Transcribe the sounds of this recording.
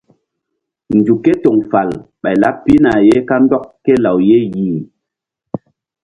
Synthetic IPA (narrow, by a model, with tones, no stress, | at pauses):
n˨d͡ʒu˨ke˦to˨ŋfa˨lɓa˨jla˦ppːi˦na˨je˦ka˦n˦dɔ˦k̚kɛ˦la˨wje˦ji˨ŋ